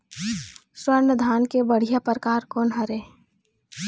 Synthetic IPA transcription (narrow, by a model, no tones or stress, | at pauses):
swəɾnəd̪ʱaːnkebəɽ̤ijapɾəkaːɾkɔːnɦɐɾeː